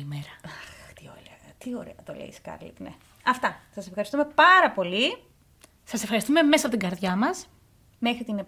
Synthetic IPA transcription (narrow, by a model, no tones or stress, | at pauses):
imeɾɐɐxt̪io̰ɾet̪io̞ɾḛɐt̪o̰lḛḭskɐ̰ɾlḭt̪ne | ɐft̪ɐsɐsefxɐɾist̪ume̞pɐɾɐpo̞li | sɐsefxɐɾist̪ume̞mesɐpot̪iŋɡɐɾðʝɐmɐs | me̞xɾit̪ine